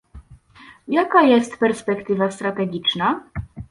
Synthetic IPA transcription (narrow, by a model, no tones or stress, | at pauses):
jakajɛst̪pɛɾspɛkt̪ɘvast̪ɾat̪ɛɡʲit͡ʂna